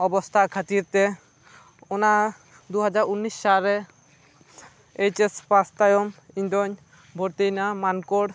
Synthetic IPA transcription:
ɔbost̪ʰakʰat̪iɾt̪e | ona | d̪uɦad͡ʒaɾunːisːaɾe | ejt͡ʃespast̪ajomiɲd̪ɔɲ | bʱoɾt̪ejnamankoɽ

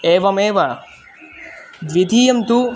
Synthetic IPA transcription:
eːʋɐmeːʋɐ | d̪ʋid̪ʱiːjɐmt̪u

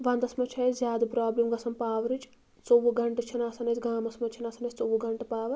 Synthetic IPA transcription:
ʋɐnd̪ɐsmɐt͡ʃʰɐzʲjaːd̪ɐpɾaːblimɡɐsɐmpaːʋɐɾit͡ʃ | t͡sowuɡɐɳʈɐt͡ʃʰinaːsɐnɐt͡sʲɡaːmɐsmɐt͡ʃʰinɐsɐnɐt͡ʃʰʲt͡sowuɡɐɳʈɐpaːʋɐ

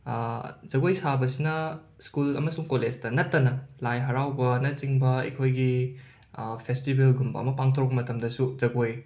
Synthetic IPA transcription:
zɐɡojsabɐsinɐ | skulɐ̰mɐsuŋkolestɐnɐtːɐnɐlajɦɐɾawbɐnɐt͡ʃiŋbɐɐ̰jkʰojɡi | pʰestibelɡumbɐ̰ːmɐpaŋtʰowkpːɐmɐtɐmdɐsuzɐɡoj

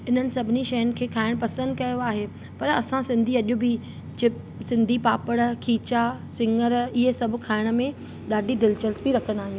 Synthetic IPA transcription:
ɪn̤ənɪ̆sɐbʱɪniʃɐjənɪ̆kʰeːkʰaːɪɽ̃pɐsə̃nd̪̚kɐjoaːɦe | pɐɾɐsãsɪ̃nd̪ʱiɐʄʊbɪ | t͡ɕɪp | sɪ̃nd̪ʱipaːpəɽkʰiːt͡ɕasɪ̃ŋɡəɾɪɦesɐbʱʊkʰaːɪɽ̃ə̆mẽ | ɗaːɖʱiɖɪlt͡ɕəlsbɪɾɐkʰə̃nd̪aːɦĩj̃

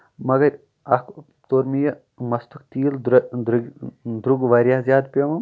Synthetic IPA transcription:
mɐɡɐɾʲ | ɐk | t̪oɾmijɐ | mɐst̪ukt̪iːld̪ɾɡd̪ɾuɡʋɐɾʲjaːzʲjaːd̪pʲemɐm

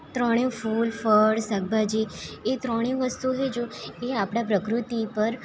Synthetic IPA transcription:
t̪ɾɔɽ̃ẽfulfəɽsəɡ̚bʱad͡ʒeet̪ɾɔɽ̃ẽʋəst̪uɦed͡ʒoeapɽ̃apɾəkɾut̪ipəɾ

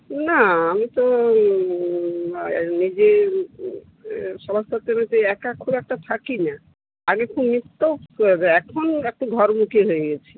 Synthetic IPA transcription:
naamit̪ɔ | nid͡ʒe | ʃɔbast̪at̪enet̪eɛkakʰubɛk̚ʈat̪ʰakina | aɡekʰubmit̪ːooɦbeɛkʰonɛk̚ʈuɡʱɔɾmukʰiɦoeɡɛt͡ʃʰi̥

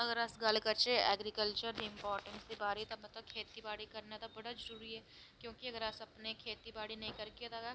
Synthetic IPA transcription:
ɐɡəɾɐsɡɐlkɐɾt͡ʃeɛːɡɾikəlt͡ʃəɾd̪iɪ̃mpaːɾʈə̃nsd̪ibaːɾit̪omɐt̪ləb̚kʰeːt̪ibaːɽikɐɾnat̪abɐɽazɐɾuːɾiɦɛː | kjõːkiɐɡəɾɐsɐpnekʰeːt̪ibaːɽinɐɦĩkɐɾkiet̪aɡɐ

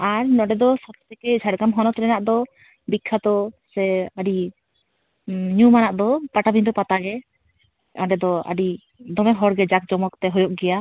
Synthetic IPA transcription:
aɾnɔɖɛd̪ɔsat̪ʰt̪ɛkɛd͡ʒʰʱaɽɡamɦɔnɔt̪ɾɛnaʔd̪ɔ | bikʰːat̪ɔsɛaɖi | ɲumanaʔd̪ɔpaʈabind̪ɔpat̪aɡɛ | ɔɖɛd̪ɔə̰ɖi | d̪ɔmɛɦɔɽɡɛd͡ʒak̚d͡ʒɔmɔkt̪ɛɦɔjɔʔɡɛja

